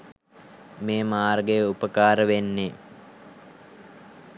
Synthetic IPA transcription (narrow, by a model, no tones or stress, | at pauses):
meːmaːrɡejəupəkaːɾəʋenːe